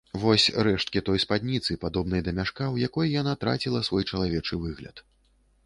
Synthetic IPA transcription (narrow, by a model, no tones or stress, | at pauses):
vɔsʲɾɛʂt̪̚kʲit̪ɔjspad̪ʲnʲit̪sɨpad̪ɔbn̪ɐjd̪ɐmʲaʂkawjakɔjjanat̪ɾa̰t͡sʲilˠɐsvɔjt͡ʂɐlˠavʲɛt͡ʂɨvɨɣlʲɐ̰t̪